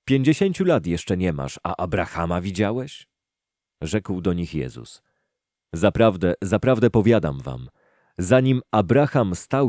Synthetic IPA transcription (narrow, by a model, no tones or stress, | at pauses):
pʲjeɲd͡ʑeɕeɲt͡ɕulat̪jɛʂt͡ʂɛɲɛma̰ʂa̰ʔabɾaxamavʲid͡ʑawɛɕ | ʐɛkwd̪ɔɲixjɛ̰zṵs | zapɾavd̪ɛzapɾavd̪ɛpɔvʲjad̪a̰mva̰m | zaɲimabɾaxamst̪aw